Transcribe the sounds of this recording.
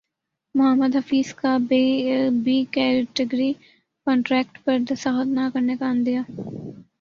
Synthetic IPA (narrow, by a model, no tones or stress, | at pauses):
mʊɦəmːəd̪ɦɐfiːzkabeːbiːkɛːɾɪʈəɡɾi | kɔ̃ːɳʈɾɛːk̚ʈpɐɾd̪ɐsaːɦət̪nakɐɾnekaənd̪ijaː